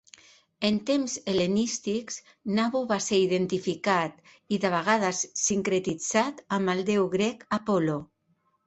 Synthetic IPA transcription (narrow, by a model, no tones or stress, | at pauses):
ent̪emzelenist̪ikz̥ | naβuβaseɾiðent̪ifikat̪ | iðaβ̞aɣ̞að̞əsːiŋkɾet̪id͡zat̪aməld̪ewɣɾɛkapɔlo